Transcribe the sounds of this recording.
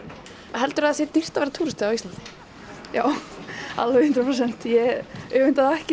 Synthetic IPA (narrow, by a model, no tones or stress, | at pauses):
aɦɛlt̪ʏɾaðasjɛt̪ir̥t̪avɛɾat̪ʰuːɾɪst̪ɪawist̪lant̪ɪ̥ | jaːwa̰lːɪhʏnt̪ɾpʰɾɔs̬ɛn̥t̪jɛʏɣʏnt̪aðɛhc